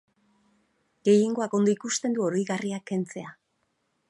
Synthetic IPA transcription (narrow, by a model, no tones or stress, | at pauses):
ɡe̞jiŋɡo̞ako̞nd̪o̞ikust̪e̞nd̪uo̞ɾo̞jɣariakːe̞nt͡se̞a